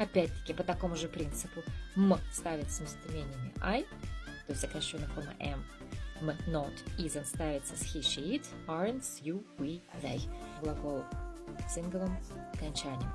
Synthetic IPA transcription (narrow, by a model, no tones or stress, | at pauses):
ɐpʲætʲt̪ːə̥kʲɪpət̪ɐko̞mʊʐɨpɾʲint̪sɨpʊmst̪avʲɪt̪smʲɪsʲt̪ʲɪmʲenʲɪjəmʲɪ̰ʔaj | t̪o̞ɪsʲt̪ʲzəkɐɕonəkonə̰ʔɛmː | ɨnot̪izənst̪avʲɪt̪səsxʲiʂiit̪aɾənt̪sjuvid̪a̰jɡlˠɐɡolˠsʲinɡəvɨmɐkɐnʲt͡ɕænʲɪ̰jəm